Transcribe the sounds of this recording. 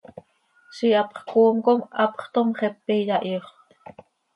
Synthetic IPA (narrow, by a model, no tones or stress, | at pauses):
siɑpχkuːmkomɑpχt̪omχɛpːijɑʔjoχ